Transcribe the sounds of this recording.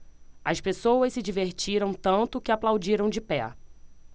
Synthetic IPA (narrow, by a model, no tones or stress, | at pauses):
ɐspesowɐssɪd͡ʒiveɾt͡ʃiɾɐ̃w̃t̪ɐ̃nt̪ʊkɪaplawd͡ʒiɾɐ̃w̃d͡ʒɪpɛ